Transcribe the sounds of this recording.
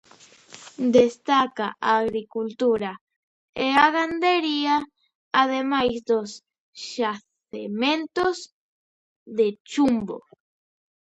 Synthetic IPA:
d̪est̪akaʔaɣɾikult̪uɾa | eaɣand̪eɾia | aðemajsd̪os | ʃaθ | ement̪os | d̪et͡ʃumbo̰

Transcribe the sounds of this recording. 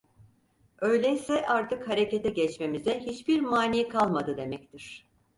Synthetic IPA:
ø̞jlʲɛjsɛʔaɾt̪ʰɯkhaɾe̞cet̪ʰɛɟɛt͡ʃme̞mizɛɦit͡ʃbiɾmaːnijkʰalˠmad̪ɯd̪e̞mɛc̚t̪ʰiɾ̥

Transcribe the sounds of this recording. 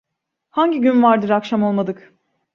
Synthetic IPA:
haɲɟiɟynvaɾd̪ɯɾakʃamo̞lˠmad̪ɯk

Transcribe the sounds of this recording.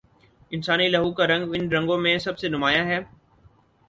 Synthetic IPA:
ɪnsaːnilɐɦukaɾɐ̃ŋɡʋɪnɾɐ̃ŋɡõmẽsɐbsenʊmaːjãɦɛː

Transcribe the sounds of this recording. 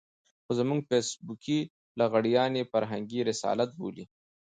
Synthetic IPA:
xozamuŋɡfesbukʰi | laɣaɽijɑːnefaɾɦaŋɡiɾɪsɑ̰ːlat̪̚bo̰li

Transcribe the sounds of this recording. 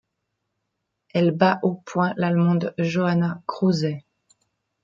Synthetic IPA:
ɛlbaʔopwɛ̃lalmɑ̃d̪ʒoanakχuzɛ

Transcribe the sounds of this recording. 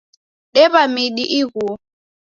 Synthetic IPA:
ɗɛβamiɗiʔiɣu

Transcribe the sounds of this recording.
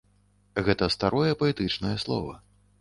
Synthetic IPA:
ɣɛt̪ɐst̪aɾɔjɛpɐɛt̪ɨt͡ʂnɐjɐslˠɔ̰vɐ

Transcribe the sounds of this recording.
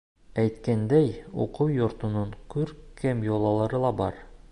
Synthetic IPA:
æjt̪kænd̪æjṵqɤwjŏɾt̪ŏnɤɴkʉɾkʰɘmjolˠɑlˠɑɾɤlˠɑbɒ̰ɾ

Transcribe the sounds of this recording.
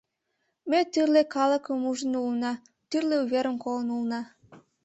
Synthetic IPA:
met̪yrlekɑlə̆kəmuʒənulnɑ | t̪yrleuβeɾəmkolənulnɑ

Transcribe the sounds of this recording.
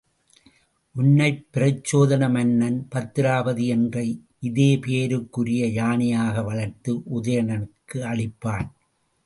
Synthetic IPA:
ʔʊnːɐɪpːɪɾɐt͡ʃːoːðɐnɐmɐnːɐnpɐt̪ːɪɾaːbɐðiɛndrɐɪ | ʔɪðeːpeːɾɯkːʊɾɪjɐjaːnɪjaːɣɐʋɐɭɐɾt̪ɯʔʊðɐjɐnɐnɯkːɯɐɭɪpːaːn

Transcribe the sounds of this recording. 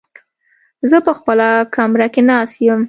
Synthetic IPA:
zəpəxpəlakʰamɾakenɑsjəm

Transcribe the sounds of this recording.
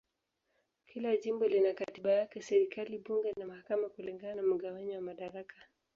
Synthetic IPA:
kʰilaʄimbɔlinakatiɓajakɛsɛɾikaliɓuŋɡɛnamahakamakuliŋɡananam̩ɠawaɲiwamaɗaɾakḁ

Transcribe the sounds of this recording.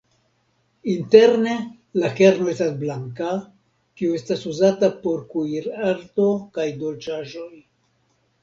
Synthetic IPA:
inte̞ɾne̞ | lake̞ɾno̞e̞stasblaŋka | kiue̞stasuzatapo̞ɾkuiɾaɾto̞kajdo̞lt͡ʃaʒo̞j

